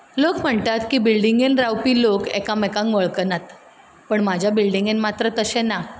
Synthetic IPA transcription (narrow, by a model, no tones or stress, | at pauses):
lokm̤əɳt̪at̪kiːbilɖiŋɡenɾawpiːlokḛkamekãŋkʋəɭkənat̪ | pəɳmad͡ʑʱjabilɖiŋɡenmat̪ɾət̪əsena